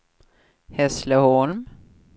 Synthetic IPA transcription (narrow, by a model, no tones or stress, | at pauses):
hɛsləhɔlm